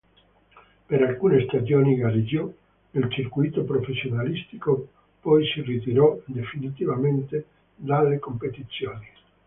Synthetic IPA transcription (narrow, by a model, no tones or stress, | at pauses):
peɾalkuːnest̪ad͡ʒɔːniɡaɾid͡ʒɔ | elt͡ʃirkujt̪opɾofesjonalist̪iko | pɔjsirit̪iɾɔd̪efinit̪ivament̪e | d̪alːekompet̪it̪sːjoːni